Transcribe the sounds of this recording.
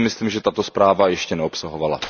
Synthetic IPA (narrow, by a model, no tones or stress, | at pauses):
mɪsliːmʒɛt̪at̪ospɾaːvajɛʃcɛnɛopsaɦovala̰